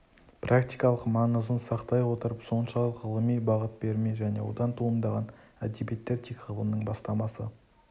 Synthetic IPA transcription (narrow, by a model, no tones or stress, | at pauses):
prʔakt̪ijkɑlˠəqmɑɴəzənsɑqt̪ɑjwo̞t̪əɾəpso̞nʃɑlˠəqʁəlˠəmijbɑʁət̪̚be̞ɾme̞ʒæne̞̰wo̞̰d̪ɑnt̪ʰuənd̪ɑʁɑnæd̪ebijet̪ːe̞ɾt̪ʰikʁəlˠəmənəɴbɑst̪ɑmɑsə